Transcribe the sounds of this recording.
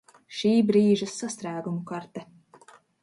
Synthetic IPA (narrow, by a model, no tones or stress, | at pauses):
ʃiːbɾiːʒɐsːast̪ɾæːɡumukaɾt̪ɛ